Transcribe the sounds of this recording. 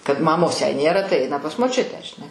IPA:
kɐt mɐˈmoːs jɛɪ ˈnʲeːrɐ tɐɪ ˈɐɪnɐ pɐs moːˈt͡ʃʲʊtʲæː ʒʲɪˈnɐɪ

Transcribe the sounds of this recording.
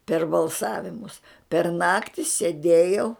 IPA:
pʲɛr bɐlˠˈsɑːʋʲɪmʊs pʲɛr ˈnɑːktʲɪ sʲɛˈdʲeːjɛʊ

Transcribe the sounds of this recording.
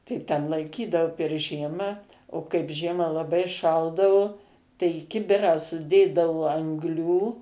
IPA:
tɐɪ tʲɛn lˠɐɪˈkʲiːdɐʋʊ pʲɛr ˈʒʲiɛmɑː oː kɐɪp ˈʒʲiɛmɑː lˠɐˈbɐɪ ˈʃɐlˠdɐʋʊ tɐɪ ɪ ˈkʲɪbʲɪrɑː sʊˈdʲeːdɐʋoː ɐŋɡˈlʲuː

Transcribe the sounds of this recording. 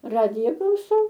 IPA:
ˈrɑːdʲɪjɛ klˠɐʊˈsɐʊ

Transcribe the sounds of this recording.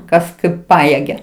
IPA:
ˈkɐs ˈkɐɪp ˈpɑːjeːɡʲɛ

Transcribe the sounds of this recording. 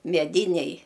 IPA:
mʲɛˈdʲɪnʲɛj

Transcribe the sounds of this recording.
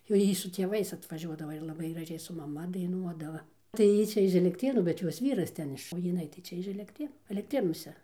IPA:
jɛʊ ˈjiː sʊ tʲeːˈʋɐɪs ɐtʋɐˈʒʲuɔdɐʋɐ ɪr lˠɐˈbɐɪ ɡrɐˈʒʲɛɪ sʊ mɐˈmɐ dɐɪˈnuɔdɐʋɐ tɐɪ ˈjiː t͡ʃʲɛ ɪʃ ɛlʲɛkˈtʲrʲeːnuː bʲɛt ˈjoːs ˈʋʲiːrɐs ˈtʲɛn ɪʃ oː jɪˈnɐɪ tɐɪ ˈt͡ʃʲɛ ɪʃ ɛlʲɛkˈtʲrʲeːnuː ɛlʲɛkˈtʲrʲeːnuɔsʲɛ

